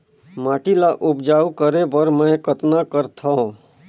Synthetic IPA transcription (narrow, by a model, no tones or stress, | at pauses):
maːʈilaʔʊpd͡ʒaːukəɾebəɾmə̃kət̪nakəɾt̪ʰã